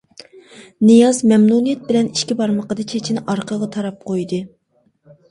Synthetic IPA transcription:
nɨjɑzmɛmnunijɛt̪̚bɪlɛniʃkʲibɑɾməqəd̪ɑt͡ʃʰet͡ʃʰinɪʔɑɾqʰəʁɑt̪ʰɑɾɑp̚qʰojd̪ɨ

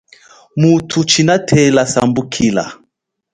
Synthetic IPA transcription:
mutʰut͡ʃinatʰɛlasambukʰila̰

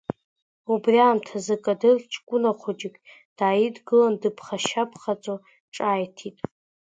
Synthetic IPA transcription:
ubriaːmtʰazɨkʼadɨrt͡ʃʰʼkʷʼʊnaχʷʰod͡ʒɪkʲʼ | d̥aːjidɡɨlandɨpʰχaʃapʰχat͡sʼo | ʈ͡ʂʼaːjtʰitʼ

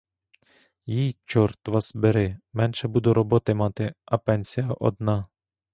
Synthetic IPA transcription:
jijt͡ʃɔrt̪ʋɑsbeɾɪmɛnʃɛbud̪ʊɾɔbɔt̪ɪmɑt̪ɪɐpɛnʲsʲijɐʔɔ̰d̪nɑ

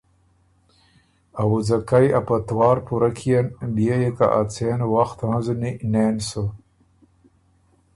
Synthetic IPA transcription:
awud͡zakajapat̪wɑːɾpuɾakʰijanbijejeka̰ʔat͡seːnwaxt̪ɦãzunineːnsə

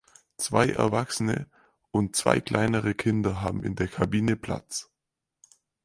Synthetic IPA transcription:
t͡sv̥aɪʔɛ̰ɐvaksənə̰ | ʊnt̚t͡sv̥a̰ɪkl̥ʔa̰ɪnəʁəkʰɪndɐɦaːbm̩ɪ̰ndeːɐkʰabiːnəpʰl̥a̰t͡s

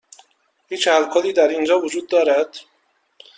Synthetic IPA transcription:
hiːt͡ʃhælkʰoːliːd̪æɾind͡ʒɒːvod͡ʒuːd̪̚ːɒːɾæd̪̥

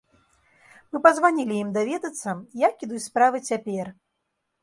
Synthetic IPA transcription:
mɨpɐzvanʲilʲijimd̪avʲɛd̪ɐt̪sːɐjakʲid̪uspɾavɨt͡sʲapʲɛr

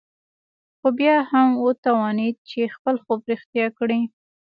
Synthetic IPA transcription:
xobjɑhamwot̪awɑnid̪̚t͡ʃexpəlxopɾixt̪jɑkɽi

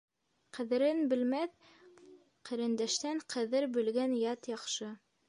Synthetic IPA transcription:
qɘ̆ðɘ̆ɾɘnbɘ̆lmæθ | qɘ̆ɾɘ̆nd̪æʃt̪æɴqʰɘ̆ðɘɾbɘ̆lɡænjɑt̪jɑqʃɤ

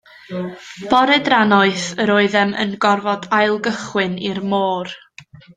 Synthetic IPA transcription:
b̥ɔɾɛdranɔɨθəɾoɨðɛmə̰nɡɔrvɔdajlˠɡəχwɨnirmoːr

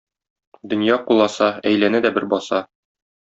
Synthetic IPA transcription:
d̪ɵ̆njɑqulˠɑsɑæjlænæd̪æbɘɾbɒsɑ

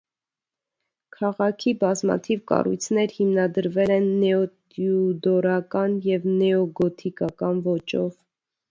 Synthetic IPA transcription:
kʰɑʁɑkʰibɑzmɑ̰t̪ʰivkɑ̰rṵjt͡sʰnɛɾhimnɑd̪əɾvɛlɛnːɛɔt̪jud̪ɔɾɑkɑnjɛvnɛɔɡɔt̪ʰikɑkɑnvɔt͡ʃɔ̰v

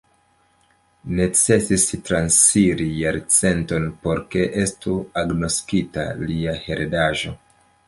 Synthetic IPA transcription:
ne̞t͡se̞sistɾansfiɾijaɾt͡se̞nto̞npo̞ɾke̞ʔe̞stuaɡno̞skita̰liahe̞ɾedaʒo̞̰

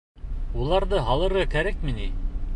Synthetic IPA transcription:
ulˠɑɾðɤɦɑlˠɤ̆ɾʁɑkæɾæk̚mɘni

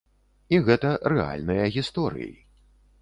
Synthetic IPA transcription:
iɣɛt̪ɐɾɛa̰lʲnɨjɐɣʲist̪ɔɾɨ̰jḭ

